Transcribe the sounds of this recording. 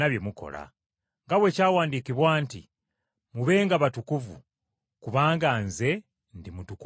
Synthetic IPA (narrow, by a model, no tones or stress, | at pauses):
aβje̞muko̞̰la̰ | ŋɡawe̞caːwaːndikiβwaːntḭ | muβe̞ːŋɡaβatukuvṵ | kuβaːŋɡanze̞ | ndimutuku